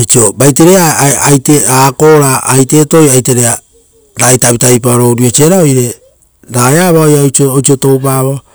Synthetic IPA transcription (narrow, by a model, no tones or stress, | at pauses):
ajt͡ʃiobajteɾeaajteako̞ɾaːjte̞to̞jajte̞ɾea | ɾajtaβitajpaoɾo̞ɾio̞t͡ʃieɾaojɾe̞ | ɾajaβaojaot͡ʃoot͡ʃioto̞wpaβa